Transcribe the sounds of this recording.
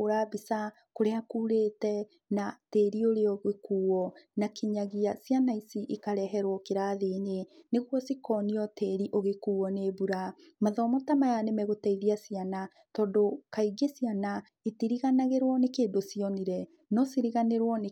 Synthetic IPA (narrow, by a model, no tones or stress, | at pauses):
oɾabisa | koɾeakuːɾeːtɛ | nateɾioɾeɔɣekuːwɔnakʰeɲaɣiasianaisiʔikaɾɛɦɛɾwɔkeɾaðeneneɣwɔsikɔːniɔteɾiʔoɣekuːɔnebuɾa | maðɔːmɔtamajanemɛɣotaiðiasiana | tɔːndokaiɡesiana | etiɾiɣanaɣeɾwɔnekeːndosiɔniɾɛ | nɔsiɾiɣaneɾwɔne